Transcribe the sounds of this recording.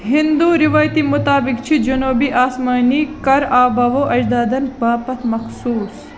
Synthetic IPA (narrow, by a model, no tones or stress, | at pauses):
ɦind̪uːɾɪʋaːjt̪imʊt̪aːbɪkt͡ʃʰid͡ʒɐnoːbiːʔaːsmaːnikɐɾaːbɐʋoːʔɐd͡ʒd̪aːd̪ɐnbaːpɐt̪ʰmɐxsuːs